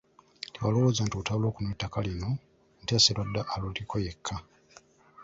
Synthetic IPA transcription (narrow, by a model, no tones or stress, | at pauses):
tiwalo̞woːzantiutaβulo̞ːkunetːakalino̞ | n̩teːselwadːaʔalulikʰojekʰːa